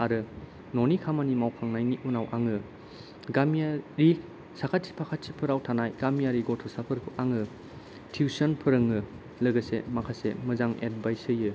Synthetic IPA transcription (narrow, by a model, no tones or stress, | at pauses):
aɾɯ | nɔnikʰamanimawkʰaŋnajniʔunawʔaŋɯ | ɡamiaɾi | sakʰat̚si̥pʰakʰat̚sipʰɯɾawtʰanajɡ̥amijaɾiɡɔtʰɔsapʰɯɾkʰuʔaŋɯ | tʰiusɔnpʰɯɾɯŋɯ | lɐɡɐsḛmakʰasḛmɐzaŋḛt̚bajsɯjɯ